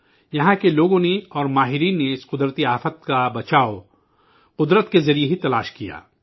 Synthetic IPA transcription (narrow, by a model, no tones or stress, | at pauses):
jɐɦãkeloːɡõneɔːɾmaːɦɪɾiːnːeɪsqʊd̪ɾət̪iaːfət̪̚kabɐt͡ʃaːo | qʊd̪ɾət̪kezɐɾijeɦit̪ɐlaːʃkija̰ː